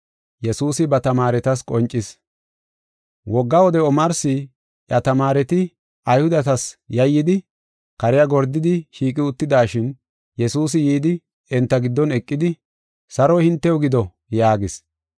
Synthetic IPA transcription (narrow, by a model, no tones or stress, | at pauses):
jɛsuːsɪbɐt̪ɐmaːɾɛt̪ɐs̬kʼɔnt͡ʃʼːɪs | wɔɡːawɔd̪ɛɔmɐɾsɪ | ʔɐt̪ɐmaːɾɛt̪ɪ | ɐjhʊd̪ɐt̪ɐsjɐjːɪd̪ɪ | kɐɾɪjɐɡɔɾd̪ɪd̪ɪʃiːk̬ʼɪʊt̪ːɪd̪aːʃɪn | jɛsuːs̬ɪjiːd̪ɪ | ɛnt̪ːɐɡɪd̪ːɔnɛkʼːɪd̪ɪ | sɐɾɔhɪnt̪ːɛjɔɡɪd̪ɔ | jaːɡɪs